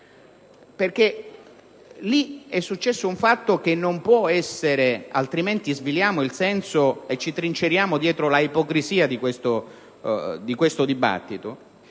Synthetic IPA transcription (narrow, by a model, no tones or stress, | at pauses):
perke | liɛsːut͡ʃːɛsːouɱfat̪ːok̟enːompwɔɛsːeɾealt̪ɾiment̪izviljaːmoilsɛnsoet͡ʃːit̪ɾint͡ʃeɾjaːmod̪jɛːt̪ɾolaipokɾiziːad̪ikwest̪o | d̪ikwest̪od̪iba̰t̪ːit̪o